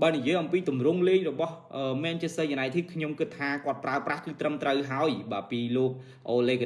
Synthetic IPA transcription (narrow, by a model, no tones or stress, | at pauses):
ɓaːnijiəjʔɑmpiːt̪umrʊŋleːŋrɔɓɑhʔəːmɛːnt͡ɕiəsəjanaɛjt̪ʰiət̪kʰɲomkɨt̪ʰːaːkŏət̪̚praəprahkɨːt̪rəmt̪rəwɦaɔjɓaːpiːloːk̚ | ʔoːleːkʰ